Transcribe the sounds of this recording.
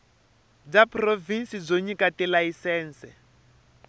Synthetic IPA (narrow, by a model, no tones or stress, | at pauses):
d͡zaprovinsid͡zoɲikatɛlaisɛːnsɛ